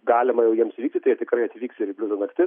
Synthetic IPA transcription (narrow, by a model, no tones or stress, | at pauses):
ɡɑːlʲɪmɐjɛʊjiɛmsʋʲiːkt̪ʲɪt̪ɐɪt̪ʲɪkɾɐɪɐt̪ʲʋʲiːkst̪ʲɪɾibʲlʲʊzɐnɐkt̪ʲɪ